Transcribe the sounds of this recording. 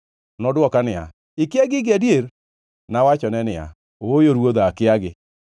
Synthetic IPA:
nɔdwɔkanɪa̰ | ɪkɪaɡɪɡadjeɾ | nawat͡ʃɔnɛnɪa̰ | oojoɾwoðaakɪaɡɪ

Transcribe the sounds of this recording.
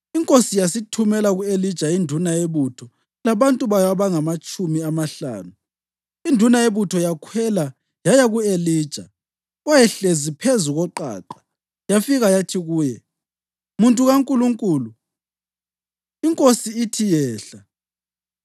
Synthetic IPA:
iŋkʼosijasitʰumɛlaɣuelid̥ʒ̥ʱaindʱunaeβutʰɔ | laβantʼuβajaβaŋamat͡ʃʼumiamaɬa̰ːnu | indʱunaeβutʰɔjakʰwɛla | jajaɣueliːd̥ʒ̥ʱa | ɔjɛɬezipʰezuɣɔǃa̰ːǃḁ | jafiɣajatʰiɣuːjɛ | muntʼuɣaŋkʼuluŋkʼuːlu | iŋkʼosiːtʰijɛːɬa

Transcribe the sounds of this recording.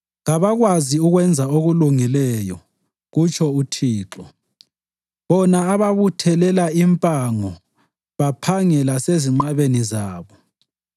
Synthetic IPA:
ɣaβaɣwaziuɣwɛnd͡zʱaoɣuluŋilɛjɔ | ɣut͡ʃʰɔutʰiːǁɔ | βɔnaːβaβutʰɛlɛlaimpʼaŋɔ | βapʰaŋɛlaseziŋ͡ǃaβenizaːβɔ

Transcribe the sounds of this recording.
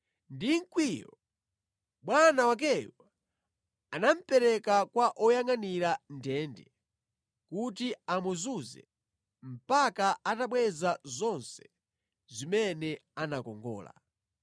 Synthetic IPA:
ndiŋ̩kwijɔ̰ | ɓwanawak̬ɛjɔa | anam̩pɛɾɛkakwaʔɔjaŋaniɾandɛːndɛ | kut̬iamuzuzɛ̰ | m̩pakaataɓwɛzazɔnsɛ̥ | zimɛnɛanakɔŋɡɔ̰ːla̰

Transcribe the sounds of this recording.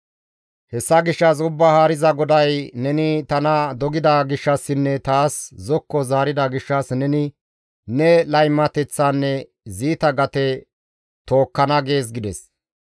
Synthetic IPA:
hɛsːɐɡɪʃːɐs̬ʊbːɐhaːɾɪzɐɡɔd̪ɐjnɛnɪt̪ɐnɐd̪ɔɡɪd̪ɐɡɪʃːɐsːɪnːɛt̪aːszɔkːɔzaːɾɪd̪ɐɡɪʃːɐsnɛnɪ | nɛlɐjmːɐt̪ɛt͡sːanːɛ | ziːt̪ɐɡɐt̪ɛ | t̪o̞ːkːɐnɐɡe̞ːs̬ɡɪd̪ɛs

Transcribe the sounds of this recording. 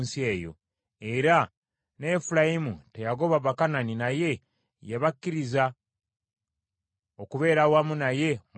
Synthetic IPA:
nsie̞ːjo̞̰ | e̞ɾa | ne̞ːfuɾajimute̞jaɡo̞βaβakananinaje̞ | jeβakːiɾiza | okuβe̞ːɾawamunaje̞m

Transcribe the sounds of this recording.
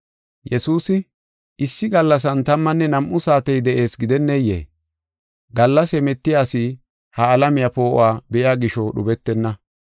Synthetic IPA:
jɛsuːsɪ | ʔɪsːɪɡɐlːɐs̬ɐnt̪ɐmːɐnːɛnɐmʔʊsaːt̪ɛjd̪ɛʔe̞ːsɡɪd̪ɛnːɛjːḛː | ɡɐlːɐsɛmɛt̪ːɪjaːsi | hɐːlɐmɪjapo̞ːʔɔ̰waːbɛʔɪjaːɡɪʃɔɗʊbɛt̪ːɛnːɐ

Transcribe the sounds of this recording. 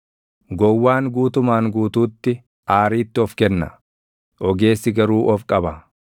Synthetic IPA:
ɡɔwːaːŋɡuːt̪ʊmaːŋɡuːt̪uːt̪ːɪ | ʔaːɾiːt̪ːɪɔfkɛnːɐ̰ | ʔɔɡe̞ːsːɪɡɐɾuːʔɔfkʼɐbɐ

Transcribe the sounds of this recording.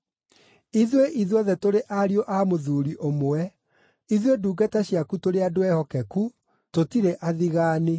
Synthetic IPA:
iðweʔiðwɔðɛtoɾeʔaɾioʔamoðuːɾiʔomoɛ | iðweduːɡataɕjakutoɾeadoɛhɔkɛku | totiɾeʔaðiɣaːne

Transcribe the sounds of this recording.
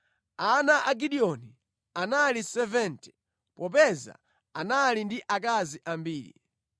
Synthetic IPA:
anaʔaɡiɗiɔni | analisɛvɛntɛ̥ | pɔp̬ɛza̰ | analindiʔak̬aziʔambiːɾḭ

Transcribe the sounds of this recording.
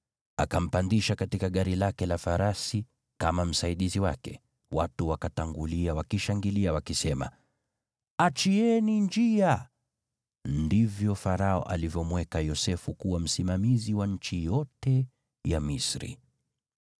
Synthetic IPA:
a̰kam̩pandiʃakatikaɠaɾilakɛlafaɾasi | kamam̩saiɗiziwakɛ | watuwakataŋɡuliawakiʃaŋɡiliawakisɛma̰ | at͡ʃiɛnind͡ʒia | ndivjɔfaɾaɔ̰ʔa̰livjɔmwɛkajɔsɛfukuwam̩simamiziwaɲ̩t͡ʃijɔtɛ | jamisɾḭ

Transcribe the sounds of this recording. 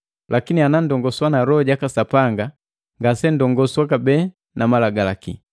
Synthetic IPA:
lʔakinianandɔŋɡɔswanaɾɔɟakasapaŋɡa | ŋɡasɛndɔŋɡɔswakabɛ | namalaɡalaki

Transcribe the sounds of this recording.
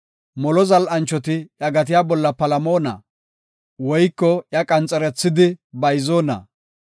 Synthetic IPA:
mɔlɔzɐlʔɐnt͡ʃːɔt̪̬ɪjɐɡɐt̪ɪjaːbɔlːɐpɐlɐmo̞ːnɐ̰ | wɔjkːɔjɐkʼɐnt͡sʼɛɾɛt͡sːɪd̪ɪbɐjzoːnɐ̰

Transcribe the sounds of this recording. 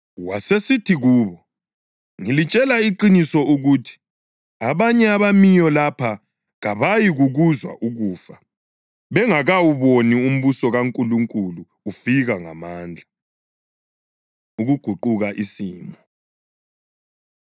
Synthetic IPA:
wasesitʰiɣuːβɔ | ŋilit͡ʃʼɛlaiǃinisɔuɣutʰi̥ | aβaɲɛaβamijɔlapʰa | ɣaβajiɣuɣuzwa̰ʔuɣuːfa | βɛŋaɣawuβonium̩βusɔɣaŋkʼuluŋkʼuluːfiɣaŋa̰maːnd͡ɮʱa | uɣuɡ̥ʱuǃuɣaʔisiːmɔ

